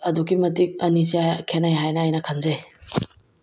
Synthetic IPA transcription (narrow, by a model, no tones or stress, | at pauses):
ɐduɡimɐtik̚ɐnisiakʰenajɦajnɐːjnɐkʰanze